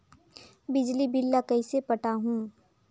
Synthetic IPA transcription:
bɪd͡ʒlibɪlːakɐisepɐʈaɦũː

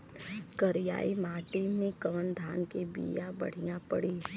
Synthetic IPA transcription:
kəɾɪja̰ːimaːʈimẽkəʋənd̪ʱaːnkebḭːjabɐ̰ɽ̤ijãpəɽiː

